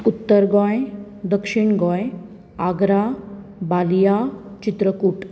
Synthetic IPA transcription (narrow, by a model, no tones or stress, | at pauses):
ut̪ːəɾɡɔ̃j | d̪əkʂiɳɡɔ̃j | aɡɾa | baljat͡ɕit̪ɾəkuʈ